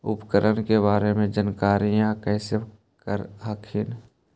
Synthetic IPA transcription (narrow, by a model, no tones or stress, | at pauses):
ʊpkəɾənkeβaːɾemẽd͡ʒənkaːɾijãkɛːse | əɾɦəkʰɪn